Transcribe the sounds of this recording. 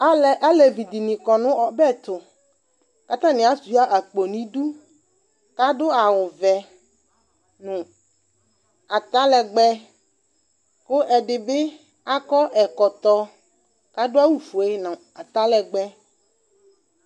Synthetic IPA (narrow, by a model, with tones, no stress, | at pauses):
a˦lɛ˨ʔa˦le˨vi˨d̪i˨nĩ˨kɔ˨nʊ̃˦ɔ˨bɛ˦˨t̪ʊ˨ | ka˦t̪ã˦nɪ̃˨a˦su˨˦a˦ʔa˨k͡po˨nĩ˦du˦ | ka˦dʊ˦a˨wʊ˨vɛ˨ | nʊ̃˨ | a˨t̪a˦lɛ˨ɡ͡bɛ˦ | kʊ˦ʔɛ˨ɖɪ˨bɪ˦ | a˦kɔ˦ʔɛ˨kɔ˨t̪ɔ˦ | ka˦dʊ˦a˦wu˨fo˨e˦nã˨ | a˨t̪a˦lɛ˨ɡ͡bɛ˦